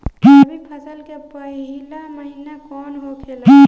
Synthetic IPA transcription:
ibʱipʰɐsəlkepɐɦilamɐɦinekɔːnɦokʰel

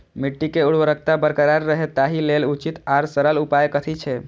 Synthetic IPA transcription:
miʈːikeuɽ̤ʋəɾək̚ʰt̪abəɾkəɾaɾːəɦet̪ːaɦilelut͡ʃit̪aɾsəɾəlupajkət̪ʰit͡ʃʰe

